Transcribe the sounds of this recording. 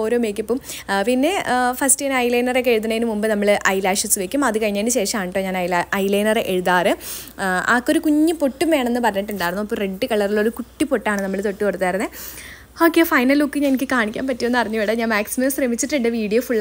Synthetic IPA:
oːɾoːmeːk̬ʲːɐpːom | pinːe̞fɐstinɐjlɐjnɐrekːeɻuð̬ɐnɐjinɨmumbɨnɐmːɐɭʔɐjlaːʂɐsɨʋekʲːumɐðɨkɐɻiɲːaːnɨɕe̞ːʂɐmaːɳɨʈːoɲaːnɐjɐjlɐjnɐreʔeɻuðaːrɨ | a̰ːkːo̞ɾukuɲːɨpo̞ʈːumeːɳenːɨpɐrɐɲːɐʈːuɳɖaːjɾunːuɐpːoreɖːɨkɐɭɐrilɭo̞ɾukuʈːipo̞ʈːaːɳɨnɐmːɐɭt̪o̞ʈːikoɽut̪ːaːjɾunːe | o̞ːkːeːfɐjnɐlokːɨɲanikʲːɨkaːɳikʲːa̰ːmpɐtːionːɨɐriɲːuʋeɽɐɲaːnmaːksimɐmsremit͡ɕːiʈːiɳɖeʋiːɽijoːfuɭː

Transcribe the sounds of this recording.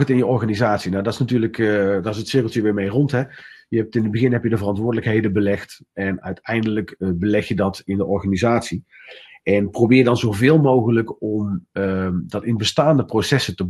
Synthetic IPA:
ətɪnjəɔɹɣaːnizaːtsinawdɑtɪsnatyːɹləkdaɪsətsɪːkl̩ˠtyːɹʋɪːɹmejrɔntɦɛjəɛp̚tɪnəd̚bəɣɪnɦɛpjədəvərɑntʋʊːɹdələkɦejdəbəlɛxt | ɛnœ̰ɥtɛjndələkbəlɛxjədɑtɪndəʔɔɹχanizaːtsi | ɛnprowbɪːdɑnzowvɪːlˠmowɣələkɔməd̥ɑtɪnbəstaːndəprowsɛsətəb

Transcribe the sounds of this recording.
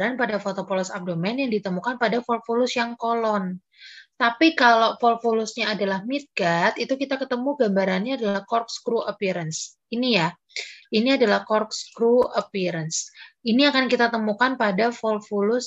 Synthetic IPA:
ɾanpadafot̪opɔlɔsap̚domɛnjaŋdit̪əmukanpadafɔlfolʊsjaŋkolɔn | t̪apikalofɔlfolʊsɲaːdalahmit̪̚ɡat̪it̪ukit̪akət̪əmuɡambaɾanɲaːdalahkɔrkskɾuʔəpiɾəns | inija | iniadalahkɔrkskɾuəpiɾənsiniakankit̪at̪əmukanpadafɔlfulʊs

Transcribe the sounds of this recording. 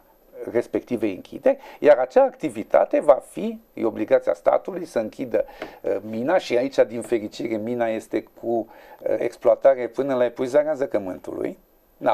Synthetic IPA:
re̞spe̞kt̪iveɨ̰ŋkʲʰḭd̪e̞jaɾat͡ʃaːkt̪ivit̪a̰t̪e̞vafijo̞bliɡat̪sia̰st̪a̰t̪ulujsəɨŋkʲid̪əminaʃiait͡ʃad̪infe̞ɾit͡ʃiɾe̞minaje̞st̪e̞kʰṵḛksploat̪aɾe̞pɨnəlaepujzanazəkəmɨnt̪ṵlṵj | na

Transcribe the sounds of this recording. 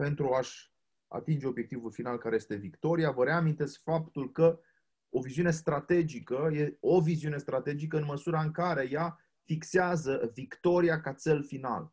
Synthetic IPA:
pe̞nt̪ɾuaʃʲ | a̰t̪ind͡ʒe̞o̞bje̞k̚t̪ivulfinalkaɾejest̪e̞vikt̪o̞ɾijavəɾe̞amint̪e̞skfapt̪ulkə | o̞viziune̞st̪ɾat̪e̞d͡ʒikəje̞oviziune̞st̪ɾat̪e̞d͡ʒikəɨnməsuɾaɨŋkaɾe̞ja | fikseazəvikt̪o̞ɾiakat̪t͡ʃe̞lfina̰l

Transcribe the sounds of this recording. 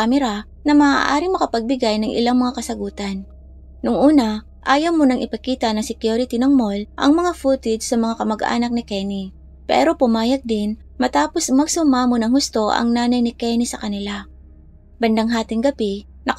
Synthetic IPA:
amɛɾa | nɐma̰ːʔa̰ːɾɪŋmɐkɐpɐɡ̚bɪɡajnɐŋʔɪ̰laŋmɐŋakɐsɐɡuːt̪ɐn | nʊŋʔuːnɐ | ʔaːjɐwmonɐŋʔɪpɐkiːt̪ɐnɐŋsɪkjuɾɪt̪ɪnɐŋmolʔɐ̰ŋmɐŋafuːt̪ɪd̪sɐmɐŋakɐmɐɡʔa̰ːnɐk̚nɪkɛni | pɛ̰ːɾo̞pʊmaːjɐɡ̚d̪ɪn | mɐt̪aːposmɐɡsʊmaːmonɐŋhʊst̪o̞ʔɐ̰ŋnaːnɐjnɪkɛnisɐkɐnɪla | bɐnd̪aŋɦaːt̪ɪŋɡɐbi | nɐ

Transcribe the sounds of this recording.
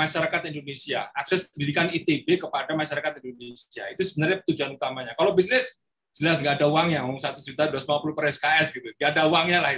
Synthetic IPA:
aʃaɾakat̪indonesia̰aksɛspəndidikanit̪ebekəpadamaʃaɾakat̪indonesia̰it̪usəbənarɲapə̥t̪ud͡ʒuanut̪amaɲakalobisnɪs | səliasŋɡaːdauwaŋɲamŋsat̪usd͡ʒut̪aduasəmapulupəɾɛskaɛsɡit̪uŋɡaːdauwaŋɲalahi

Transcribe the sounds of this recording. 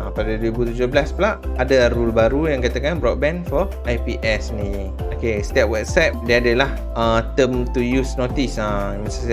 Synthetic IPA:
ãpadaduwibut̪ud͡ʒoblasplaʔadaɾulbaɾujãŋkat̪akanbɾɔt̚bɛ̃nfɔ | ʔajpiʔɛsni | okest̪ɛp̚wɛt̚sap̚dɛ̃adəlah | ət̪əmt̪ujusnot̪isa | mãsas

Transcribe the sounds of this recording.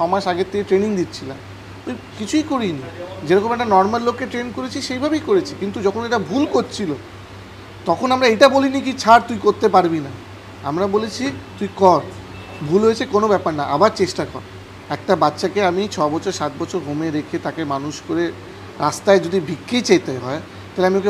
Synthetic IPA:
ʃɔmaʃaɡet̪ʰːekeʈɾeniŋd̪it̪ːt͡ɕʰila̰m | oj | kit͡ɕʰujkoɾinid͡ʑeɾɔkomɛk̚ʈanɔɾmalːokːeʈɾenkoɾet͡ɕʰiʃejbʱabejkoɾet͡ɕʰikint̪ud͡ʑɔkʰoneʈabʱulkoɾt͡ɕʰilo | t̪ɔkʰonamɾaejʈabolinikit͡ɕʰaɾt̪ujkoɾt̪ep̬aɾbina | amɾabolet͡ɕʰit̪ujkɔɾ | bʱulɦojet͡ɕʰekonobɛpaɾnaʔabaɾt͡ɕeʃʈakɔ̰ɾ | ɛk̚ʈabatːʃakeamit͡ɕʰɔebɔt͡ɕʰoɾʃat̪̚bɔt͡ɕʰoɾɦomeɾekʰet̪akemanuʃkoɾe | ɾast̪aed͡ʑod̪ibʱikːejt͡ɕajt̪eɦɔe | t̪aɦeleamioke

